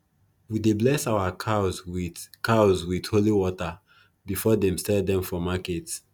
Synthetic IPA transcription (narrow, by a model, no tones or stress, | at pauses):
wideblɛsawakʰazwikazwidholiwɔta | bifɔdɛ̃msɛldɛ̃mfɔmakɛt